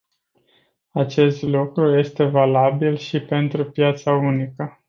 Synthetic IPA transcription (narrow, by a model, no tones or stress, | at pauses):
at͡ʃe̞st̪lukɾuje̞st̪e̞valabilʃipe̞nt̪ɾupjat̪saunikə